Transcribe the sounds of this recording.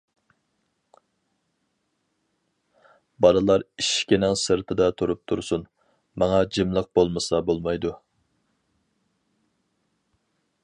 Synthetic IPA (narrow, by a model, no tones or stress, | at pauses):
bɑlˠɨlˠɑɾiʃkʲenɛŋsɨɾt̪ʰɨd̪ɑt̪ʰuɾup̚t̪ʰuɾsun | mɑŋɑd͡ʒɨmlˠəq̚bolˠmɨsɑbolˠmɑjd̪u